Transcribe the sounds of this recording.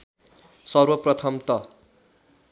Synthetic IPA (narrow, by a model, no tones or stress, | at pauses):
sʌrwʌprʌt̪ʰʌmt̪ʌ